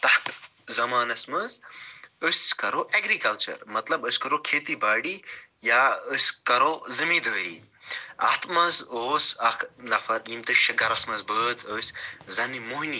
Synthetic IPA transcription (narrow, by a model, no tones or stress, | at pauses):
t̪ɐht̪ | zɐmaːnɐsmɐzəsʲkɐɾoːʔeɡɾikɐlt͡ʃɐ̰ɾmɐt̪lɐbəsʲkɐɾokʰeːt̪ibaːɽijaːəsʲkɐɾoːzɐmiːd̪əːɾḭː | ɐ̰ht̪mɐzoːsɐkʰnɐfɐɾiːmt̪ɨʃɐɡɐɾɐsmɐzbəːd͡zəːsʲzɐnimoɦni